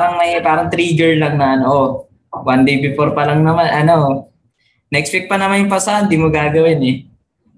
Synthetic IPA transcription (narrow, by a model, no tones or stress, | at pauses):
ɾɐŋmɐjpaːɾɐŋt̪ɾiːɡɛɹlɐŋnɐʔɐnoʔo | wand̪ejbɪfoɾpɐlɐŋnɐmanʔɐno̞ | nɐʔɛkspɪk̚pɐnɐmanjʊŋpɐsɐʔand̪iːmoɡaːɡɐwɪnɛ